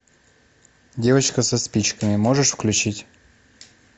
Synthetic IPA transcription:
dʲe̞vət͡ɕkəsɐspʲit͡ɕkəmʲɪmoʐɨʂfklʲʉt͡ɕitʲ

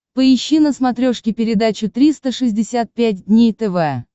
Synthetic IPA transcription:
pəɪɕːinəsmɐt̪ɾʲoʂkʲɪpʲɪɾʲɪd̪at͡ɕʊt̪ɾʲist̪əʂɨzʲdʲɪsʲat̪̚pʲæt̚ʲdʲnʲejt̪ɛvɛ

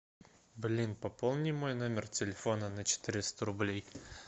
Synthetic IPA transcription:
blʲinpɐpolˠnʲɪjmojnomʲɪrtʲɪlʲɪfo̞nənət͡ɕɪ̥t̪ɨɾʲɪst̪əɾʊblʲej

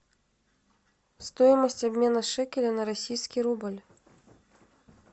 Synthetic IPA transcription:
st̪ɔjmɐsʲt͡sʲabʲmʲɛnɐʂɛkʲɛlʲɐnɐɾasʲijskʲiɾubɐlʲ

